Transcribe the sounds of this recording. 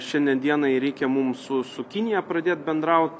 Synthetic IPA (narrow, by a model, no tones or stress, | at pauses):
ʃʲɛnʲd̪ʲɛnd̪ʲiɛnɐɪɾʲɛɪkʲɛmʊmsʊsʊkʲɪnʲɪjɛpɾɐd̪ʲeːt̪̚bʲɛnd̪ɾɐʊt̪